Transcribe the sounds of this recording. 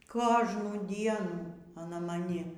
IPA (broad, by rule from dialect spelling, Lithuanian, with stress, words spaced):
ˈkoːʒnuː ˈdʲiɛnuː ɐˈnɐ mɐˈnʲɪ